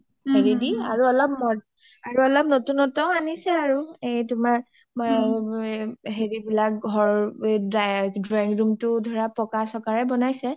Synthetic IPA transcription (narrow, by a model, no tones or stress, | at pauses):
heɹidiaɹuɔlɔp̚mɔ | aɹuɔlɔp̚notunɔtɔʊ̃anisɛaɹuejtʊmaɹ | ɦeɹibilak̚ɡʱɔɹ | dɹaŋɡɹumtʊdʱɔɹapɹɔkasɔkaɹɛbɔnajsɛ